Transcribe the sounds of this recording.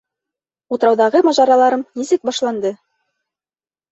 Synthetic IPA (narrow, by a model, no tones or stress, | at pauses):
ut̪ɤ̆ɾɑwðɑʁɤmɑʒɑɾɑlˠɑɾɤmnisɘk̚bɑʃlˠɑnd̪ɤ